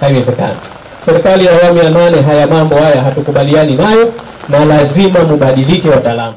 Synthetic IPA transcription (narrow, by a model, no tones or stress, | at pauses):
haiwɛzɛka̰na | sɛɾikalijaːwamujananɛɦajamambɔhajaɦatukuɓalianinajɔ | nalazimamuɓaɗilikɛwataːlamu